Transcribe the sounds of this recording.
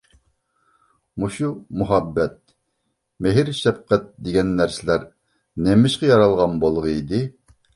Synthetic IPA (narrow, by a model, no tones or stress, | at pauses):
muʃumuɦɑbːɛt̪̚ | meɦɪɾʃɛb̚qʰæt̪̚d̪eɡʲɛnːæɾsɪlæɾ | nɛmɪʃqɛjɑɾɑlˠʁɑnbolˠʁəid̪ɪ